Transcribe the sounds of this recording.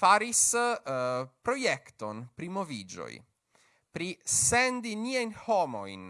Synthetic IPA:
faɾis | pɾo̞jekt̪onpɾimovid͡ʒo̰j | pɾisend̪iniajnhomo̰jn

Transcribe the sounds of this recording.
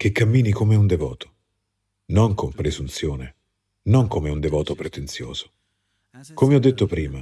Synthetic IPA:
k̟ekːamːiːnikomeund̪evɔ̰ːt̪ʰo̥ | noŋkʰompɾezunt̪sjoːne | noŋkomeund̪evɔːt̪opɾet̪ent̪sjo̰ːz̥o̥ | komeɔd̪ːet̪ːopɾiːma

